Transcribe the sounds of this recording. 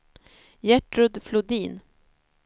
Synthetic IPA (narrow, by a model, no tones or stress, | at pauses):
jɛʈɾɵd̪flʊd̪iːn